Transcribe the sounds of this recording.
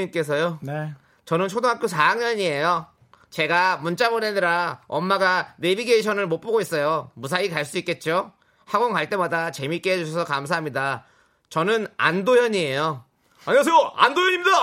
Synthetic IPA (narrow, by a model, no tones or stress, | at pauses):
ink͈e̞s̬ʰʌjo | t͡ɕʌnɯnt͡ɕʰodoŋɦak͈ʰjosʰajaŋɲʌɲie̞jo | t͡ɕe̞ɡamunt͡ɕ͈amoɾenɯɾaʌmːaɡaɾebiɡeiɕʰʌnɯɭmop͈oɡois͈ʌjomus̬ʰaikaɭs̬͈uik͈e̞t̚t͡ɕ͈o | haɡoŋkaɭt͈e̞madat͡ɕe̞mik͈eɦed͡ʑuɕʰʌsʰʌkamsʰaɦamɲida | t͡ɕʌnɯna̰ndojʌɲie̞jo | aɲs̬ʰeoandojʌɲimida